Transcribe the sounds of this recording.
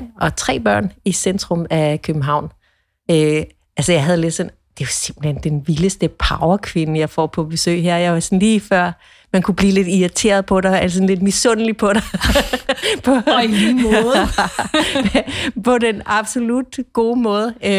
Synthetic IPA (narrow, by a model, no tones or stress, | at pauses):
ʔɒ̽t͡sʰʁɛ̰ːb̥ɶɐ̰nisend̥ʁɔmækʰøb̥m̩ɦɑ̈ʊ̰n | ø | ælsəjɑ̈ɪɦæð̞ˠle̝d̥sɒ̽n | d̥e̝ɑse̝m̰b̥l̩hend̥enʋiləsd̥əpʰɑ̈ʊɐkʰʋe̝nəjɑ̈ɪfɒ̰ːpʰɒ̽b̥e̝sø̰ːɦeɐ̰jɑ̈ɪʋɑ̈sɒnliːfɶɐ̰ | mænkʰub̥liːle̝d̥iɐt͡sʰe̝̰ːɐð̞ˠpʰɒ̽ɾ̥ɑælsɔ̽n̩le̝d̥misɔnəlipʰɒ̽ɾ̥ɑ | pʰɒmˠ | pʰɒ̽denɑ̈b̥so̝lud̥ɡ̥o̝ːmɔ̽ːð̞ˠəø